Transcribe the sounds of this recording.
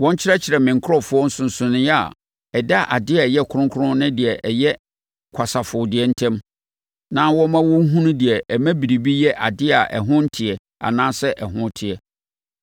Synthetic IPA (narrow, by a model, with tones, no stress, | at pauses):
wɔ̃˦ɲ˦t͡ɕʰɪ˦ɾɛ˦t͡ɕʰɪ˨ɾɛ˨mɪ̃˨ŋ̩˨kʰɾɔ˦fʊ˦ɔ˦n̩˦sʊ̃˨n̩˨sʊ̃˨nɪ̃˦jɛ˦a̰˨ | ɛ˨da˦˨ʔa˨dɪ˦a˨jɛ˦kʰʊ˦ɾʊ̃˦ŋkʰʊ˦ɾʊ̃˦nɪ̃˦dɪ˨ɛ˨ʔɛ˨jɛ˦ | kʷʰa˨sa˨fʊ˨dɪ˨ɛ˦n̩˦tʰɛ̃˦m | nã˦wɔ̃˦mã˦wɔ̃˦ɦũ˦nʊ̃˦dɪ˨ɛ˨ʔɛ˨mæ̃˦bi˨ɾi˨bi˦jɛ˦ʔa˨dɪ˦a˨ʔɛ̰˨ɦʊ̃˦n̩˦tʰɪ˨ɛ˨ | a̰˨nãː˦sɛ˦ʔɛ˨ɦʊ̃˦tʰɪ˨ɛ˨